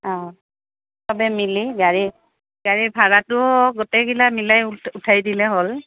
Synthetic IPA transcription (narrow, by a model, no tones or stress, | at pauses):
a | babɛmiliɡaɹi | ɡ̥aɹibʱaɹatʊɡɔtɛɡilamilajutʰajdilɛɦol